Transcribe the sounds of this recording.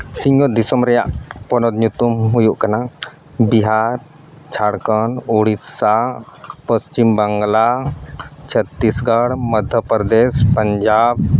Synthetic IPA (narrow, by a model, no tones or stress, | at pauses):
siŋɡɔd̪isɔmɾɛjaʔpɔnɔd̪ɲut̪umɦujuʔkana | biɦaɾ | t͡ʃʰaɽkɔnuɽisapəst͡ʃimbaŋɡla | t͡ʃʰət̪ːisɡaɽməd̪ʱjəpɾd̪ɛspəɲd͡ʒab̚